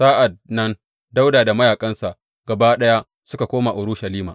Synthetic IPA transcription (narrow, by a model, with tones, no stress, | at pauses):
saː˦ʔa˨d̚nɐ˦n | da˦wdaː˨da˨mɐ˦jaː˨kʼɐ˦nsa˨ʔ | ɡ̥ɐ˨baː˦ɗɐ˦ja˦ | sʊ˦ka˨kʷoː˦ma˨ʔʊ˨ɾʊ˦ʃɐ˨liː˦maː˨